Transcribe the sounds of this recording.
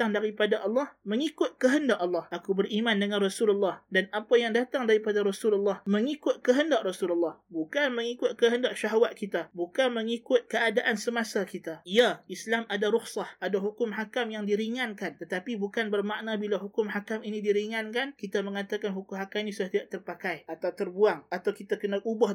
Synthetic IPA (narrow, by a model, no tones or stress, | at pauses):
t̪aŋdaɾipadaʔɑlːɑhməŋikʊt̪̚kəɦəndaʔɑlːɑhʔakubərimandəŋãnrɔsululːɑhdanapajaŋdat̪aŋdaɾipadaɾɔsululːɑhməŋikʊt̪̚kəɦəndaʔ̚rasululːɑhbukanməŋikʊt̪̚kəɦəndaʔ̚ʃaɦawat̪̚kit̪abukanməŋikʊt̪̚kəadaʔansəmasakit̪aiaislamadaɾʊxsɑhʔadaɦukʊmɦakamjaŋdiɾiŋankant̪ət̪apibukanbərmaʔnabilaɦukʊmhakaminidiɾiŋankankit̪aməŋat̪akanɦukʊmɦakamnĩsudaht̪idaʔt̪ərpakajat̪awt̪ərbuaŋat̪awkit̪akənaʔubah